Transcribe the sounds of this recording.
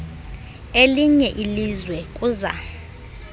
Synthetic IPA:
eliɲɛʔilizwɛkʼuːza̰

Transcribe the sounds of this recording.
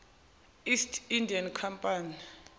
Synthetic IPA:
istʰindʱiankʰampʼani

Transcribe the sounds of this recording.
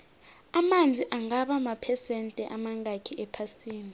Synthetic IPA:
amand͡zʱiʔaŋaɓamapʰɛsɛntʼɛʔamaŋakʰiʔɛpʰasiːni

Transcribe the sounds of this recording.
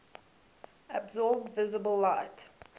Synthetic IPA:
əbzɔːb̚dvɪzəbəlˠlaɪt

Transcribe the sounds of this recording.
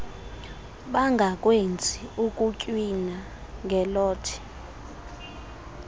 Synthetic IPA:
ɓaŋɡʱak̬ʼwend͡zʱiukʼucʼwina | ŋɡʱɛlɔːtʰi̥

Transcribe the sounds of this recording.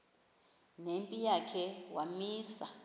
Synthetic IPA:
nempʼijakʰɛwamiːsa

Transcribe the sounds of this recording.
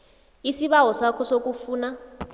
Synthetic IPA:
isiβaɦɔsakʰɔsok̬ʼufuːna

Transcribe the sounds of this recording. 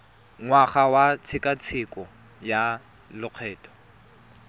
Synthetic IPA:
ŋwaχawat͡sʰɪkʼat͡sʰɪkʼɔ | ja | lʊq͡χʰɛːtʼɔ̥

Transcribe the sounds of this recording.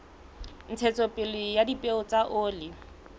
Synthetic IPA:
n̩t͡sʰɛt͡sɔpʼɪlɪjadipʼeʊt͡saʔʊːlɪ

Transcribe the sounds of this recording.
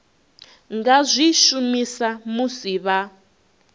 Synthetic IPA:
ŋɡazʷiʃumisamusiβa

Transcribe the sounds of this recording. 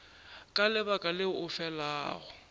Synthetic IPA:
kʼalɪbakʼalɪʊʊfɛlaːɣʊ

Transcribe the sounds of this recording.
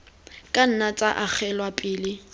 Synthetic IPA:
kʼan̩nat͡sʼaʔak͡xɛlwapʼɪːlɪ

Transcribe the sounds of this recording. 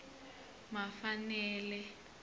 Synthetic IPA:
mafanɛːlɛ

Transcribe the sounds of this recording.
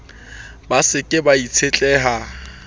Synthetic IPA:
basɪkʼɪbait͡sʰet͡ɬʼɛːɦa

